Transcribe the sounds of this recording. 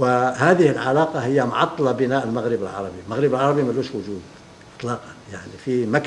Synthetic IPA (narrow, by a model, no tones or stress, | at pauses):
wəhaːðɪhɪlʕalɑːqɑhɪjːamʊʕɑt̪ˤːɑlɑbɪnaːʔəlmaɣɾɪbəlʕɑ̰ɾˤɑbimaɣɾɪbəlʕɑɾˤɑbimæluʃwʊʒuːd̪ | ʔɪ̥t̪ˤlɑːqɑnjaʕnifimak